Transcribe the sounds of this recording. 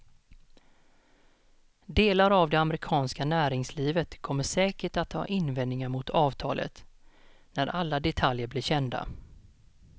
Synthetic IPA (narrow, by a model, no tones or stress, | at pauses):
d̪eːlaɾavd̪ɛamɾɪkʰɑːnskanæːɾɪŋsliːvət̪kʰɔmːəʂɛːkəʈat̪ʰːɑ̰ːʔɪnvɛnnɪŋaɾmʊt̪ʰɑːvt̪ʰɑ̰ːlʔə̰t̪ | næɾʔalːad̪ɛt̪ʰaljəɾblɪɾɕɛnd̪a̰